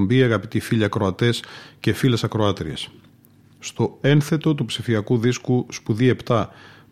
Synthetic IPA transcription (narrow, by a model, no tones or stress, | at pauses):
mbiɐɣɐpit̪ifiʎiɐkɾo̞ɐt̪e̞sce̞file̞sɐkɾo̞ɐt̪ɾies | st̪o̞e̞nθe̞t̪o̞t̪upsifiɐkuðiskuspuðie̞pt̪ɐ